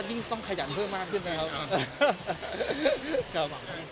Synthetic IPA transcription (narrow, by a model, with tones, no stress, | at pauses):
ji˧˥˩ŋt̪ɔ˥˩ŋkʰa˧˩ja˩˦npʰɤː˥˩mːaː˥˩kʰːɯ˥˩nːa˦˩kʰa˦˥pʔ | kʰa˦˥p̚